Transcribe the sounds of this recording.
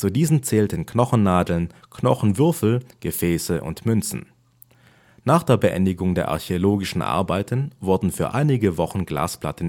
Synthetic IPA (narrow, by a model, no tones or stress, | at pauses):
t͡sudiːzən̩t͡sɛːltənknɔχn̩naːdl̩nknɔχn̩vʏɐfl̩ɡ̥əfɛːsəʔʊ̰ntmʏnt͡sn̩ | naːχd̥eːɐbəʔɛ̰ndɪɡʊŋdeːɐʔa̰ɐçeoloːɡɪʃn̩ʔa̰ɐbaɪtʰənvʊɐdn̩fyːɐʔaɪnɪɡəvɔχn̩ɡla̰ːspla̰tən̩